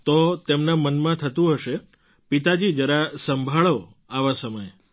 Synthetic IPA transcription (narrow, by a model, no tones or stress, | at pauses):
t̪ot̪emnamənmãt̪ʰət̪ũɦəʃe | pit̪ad͡ʒid͡ʒəɾasəmbʱaɭo | aʋasəməj